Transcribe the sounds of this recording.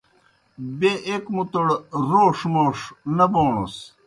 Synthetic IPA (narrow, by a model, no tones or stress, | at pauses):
beʔekmut̪uɽɾoːʂmoːʂnɐboːɳṵs